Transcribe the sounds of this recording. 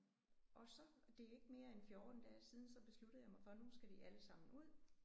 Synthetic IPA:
ʔɒ̽sɒ̽d̥e̝æɐe̝ɡ̥əme̝ːɐenfjoːd̥n̩d̥æsiːðˠn̩sɒ̽b̥e̝sluɾ̥ð̩ˠjɑ̈mɑ̈ɪfɒnusɡ̥æd̥iʔæləsɑ̈m̰n̩uð̰ˠ

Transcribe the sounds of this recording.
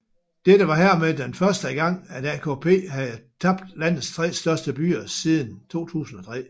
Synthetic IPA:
d̥ed̥əʋɑ̈ɦæɐ̰med̥enfɶɐsd̥əɡ̥ɑ̈ŋ̰æd̥ækʰo̝pʰe̝̰ːɦæðˠt͡sʰɑ̈b̥d̥læn̰ð̩ˠst͡sʰʁɛ̰ːsd̥ɶɐsd̥əb̥y̰ːɐsið̞ˠn̩t͡sʰo̝̰ːt͡sʰṵːsn̩ɒ̽t͡sʰʁɛ̰ː

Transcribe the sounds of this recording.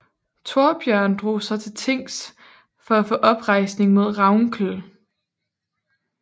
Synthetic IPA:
t͡sʰo̝ɐb̥jœɐ̰nd̥ʁo̝̰ːsɒ̽t͡sʰe̝lt͡sʰe̝ŋ̰s | fɒ̽æfɔ̰̽ːʔɒ̽b̥ʁɑ̈ɪ̰sne̝ŋmo̝ð̞̰ˠʁɑ̈ʊŋkʰl

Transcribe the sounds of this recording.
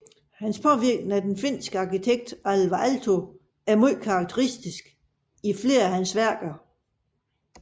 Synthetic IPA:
hænspʰɒ̽ʋiɐɡ̥nəæd̥enfe̝n̰sɡ̥əɑ̈kit͡sʰeɡ̥̚d̥ælʋɑʔælt͡sʰo̝ | æɐmol̰kʰɑ̈ɡ̥̚t͡sʰəʁisd̥isɡ̥ | ifle̝̰ːɐæhænsʋæɐ̰ɡ̥ɐ

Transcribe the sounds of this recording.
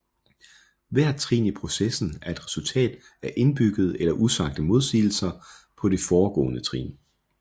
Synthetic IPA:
ʋæɐ̰t͡sʰʁḭːnipʰʁo̝sesn̩æɐe̝d̥ʁɛsult͡sʰɛ̰ːd̥ | æɐʔe̝nb̥yɡ̥ð̞̩ˠelɐʔusɑ̈ɡ̥̚d̥əmo̝ð̞ˠsḭːl̩sɐ | pʰɒ̽ɾe̝fɒːɡ̥ɔ̰ːnət͡sʰʁḭːn

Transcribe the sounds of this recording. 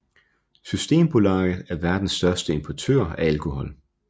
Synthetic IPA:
sysd̥e̝̰ːmb̥ʰo̝lɑ̈ːð̩ˠæɐʋæɐd̥n̩sːd̥ɶɐsd̥əe̝mpʰɒt͡sʰø̰ɐ̰æælkʰo̝hɒ̽l̰

